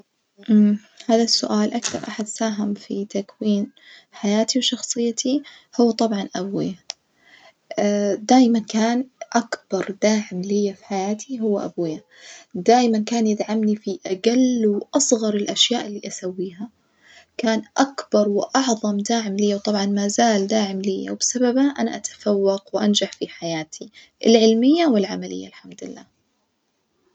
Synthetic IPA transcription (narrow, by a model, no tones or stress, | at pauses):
ʔm | haːðasːʊʔaːlʔakθɑ̰ɾˤʔaħad̪saːɦamfit̪akwiːnħajaːt̪ʰiwʃɑxsˤɨjːat̪ʰi | hʊwːat̪ˤɑbʕɑnʔabwɪ̰ja | d̪aːjmankaːnʔakb̥ɑɾˤd̪aːʕɪmlɪjːafi̥ħajaːt̪ʰiɦʊwːaʔabwɪja | d̪aːjmankaːnjɪd̪ʕamnifiʔaɡalwʔɑsˤɣɑɾˤɪlʔaʃjaːʔɪlːiːʔasawːiːɦa | kaːnʔakb̥ɑɾˤwɪʔɑʕðˤɑmd̪aːʕɪmlɪjːawt̪ˤɑbʕɑnmaːzaːld̪aːʕɪmlɪjːa̰wbɪ̥sababaʔana̰ʔat̪ḁfawːɑqwʔand͡ʒaħfiħajaːt̪ʰi | ɪ̰lʕɪlmɪjːawɪlʕamalɪ̰jːalħamd̪ɪlːa̰ː